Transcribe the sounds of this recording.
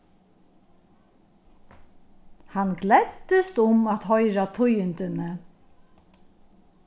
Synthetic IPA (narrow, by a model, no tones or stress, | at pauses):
hanːɡlɛt̪ːɪst̪ʊmat̪ɦɔjɾat̪ʰʊjɪnt̪ɪnɪ